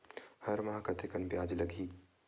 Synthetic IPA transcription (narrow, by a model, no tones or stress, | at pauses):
hɐɾmɐɦakɐt̪ʰekɐnbjaːd͡ʒlɐɡiː